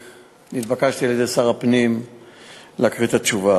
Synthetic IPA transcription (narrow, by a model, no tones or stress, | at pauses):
nit̪bakaʃt̪ilezesaʁapnim | leakʁit̪at͡ʃuva